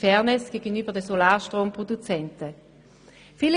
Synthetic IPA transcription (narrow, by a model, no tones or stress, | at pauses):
fɛːɐnɪsɡ̥eːɡənyːbɐdɛsolaːʁʃtʁoːmpʁ̥odut͡sɛntə | fiːl